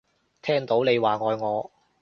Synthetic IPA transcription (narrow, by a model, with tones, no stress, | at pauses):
t̪ʰɛː˥ŋt̪o˨˥wne˨˧jwaː˨˩ŋɔː˨˧jŋɔː˨˧